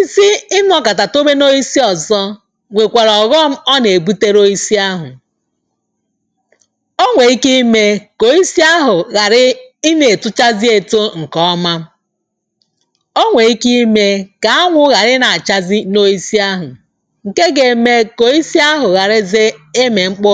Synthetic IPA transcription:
i˦si˦ɪ˦n˦ɔ˨ka˨ta˨to˦be˦no˦i˦si˦ɔ˨zɔ˦ | ŋʷe˨kʷe˨ɾɔ˨ɣɔ˦m̩˦ɔ˦ne˨bu˦te˦ɾo˦i˦si˦a˦ɦʊ̰˨ | o˦ŋʷe˨i˦ki˦me˦ko˨i˦si˦a˦ɦʊ˨ɣa˨ɾɪ˦i˦ne˨tʊ˦t͡ʃa˦zi˦e˨to˦ŋ̩˨kɔ˨˦ɔ˦ma˦ | o˦ŋʷe˨i˦ki˦me˦ka˨a˦ŋʷʊ˦ɣa˨ɾɪ˦na˨t͡ʃa˦zi˦no˦i˦si˦a˦ɦʊ˨ | ŋ̩˨ke˦ɡe˨me˦ko˨i˦si˦a˦ɦʊ˨ɣa˨ɾɪ˦ze˦e˦me˨ŋ͡m̩˦k͡pʊ˦

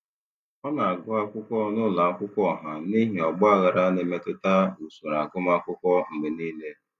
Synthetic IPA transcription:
ɔ˦na˨a˨ɡʊ˦a˦kʷʊ˦kʷɔ˦nʊ˦la˨a˦kʷʊ˦kʷɔ˦˨ɦa˨ni˦ɦi˨ɔ˨ɡ͡bɔ˦a˦ɣa˨ɾa˦ne˨me˦tʊ˦ta˦u˨su˨ɾa˨ɡʊ˦ma˦kʷʊ˦kʷɔ˦m̩˨ɡ͡be˨niː˦le˦

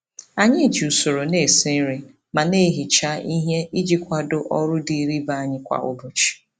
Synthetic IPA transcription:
a˨ɲɪ˦˨d͡ʒu˨so˨ɾo˨ne˨si˦n̩˦ɾi˦ | ma˨ne˦ɦi˨t͡ʃa˦ʔi˦ɦe˦i˦d͡ʒi˦kʷa˦dʊ˦ʔɔ˦ɾʊ˦di˨ɾi˦ba˦a˦˨ɲɪ˦kʷa̰˨ʊ̰˦bʊ˨t͡ʃi̥˨

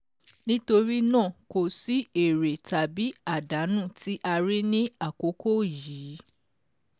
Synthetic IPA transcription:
nĩ˦to˧ɾi˦nãː˦˨ko˨si˦e˨ɾe˨ta˨bi˨˦a˦˨da˨˦nũ˦˨tʰi˦ʔa˧ɾi˦nĩ˦a˦˨ko˨˦ko˦˨jiː˨˦

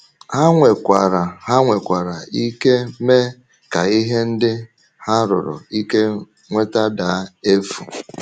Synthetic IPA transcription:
ha˦ŋʷe˨kʷa˨ɾa˨ha˦ŋʷe˨kʷa˨ɾa˨i˦ke˦me˦ | ka˨i˦ɦe˦n̩˦dɪ˦ | ha˦ɾʊ̰˨ɾʊ̰˨i˦ke˦ | ŋʷe˦ta˦da˨˦e˦fṵ˨

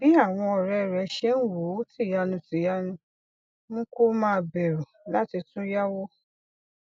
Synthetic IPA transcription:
b̥i˦a˦˨w̃ɔ̃˧ɔ˨ɾɛ˧ɾɛ˨˦ʃɛ˦n̩˦wo˨˦ti˦˨ja˧nũ˧ti˨ja˧˦nũ˧ | nũ˦ko˦mãː˦˧bɛ˨ɾu˨la˦ti˧tũ˦ja˦wo˦

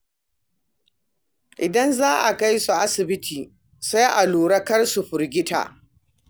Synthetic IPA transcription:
ʔɪ˨dɐ˦nzaː˦ʔa˨ka˦jsu˨ʔa˦sɪ˨bɪ˦tʰiː˨ | sa˦jʔa˨luː˨ɽɐ˦kɐ˦rsu˨ɸʊ˨ɾɡʲɪ˦ta̰ː˨ʔ

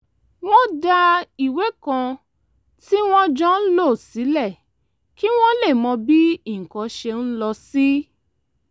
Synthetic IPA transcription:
w̃ɔ̃˦da˧i˨we˨˦kã˧ | ti˦w̃ɔ̃˦d͡ʒɔ̃˦n̩˦lo˦˨si˨˦lɛ˦˨ | ki˦w̃ɔ̃˦le˦˨mɔ̃˧bi˦i˦˨kɔ̃˨˦ʃe˧n̩˦lɔ˧si˦

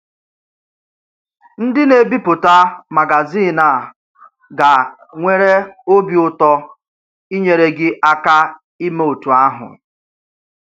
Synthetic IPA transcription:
n̩˦dɪ˦ne˨bi˦pʊ˨ta˦ma˨ɡa˨zi˦˨na˨ | ɡa˨ | ŋʷe˦ɾe˦o˦bjʊ˦tɔ˦ | i˦ɲe˨ɾe˨ɡɪ˦ʔa˦ka˦ | i˦me˦o˨tu˨a˦ɦʊ̰˨

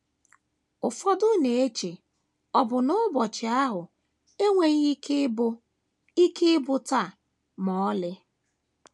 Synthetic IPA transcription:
ʊ˨fɔ˦dʊ˦ne˨e˦t͡ʃe˨ | ɔ˨bʊ˨nʊ˦bɔ˨t͡ʃɪ˨a˦ɦʊ˨ | e˦ŋʷe˨ɲ̩˦ | i˦ke˦ɪ˦bʊ˦ta˦˨ | mɔ˨ɔ˦lɪ˦

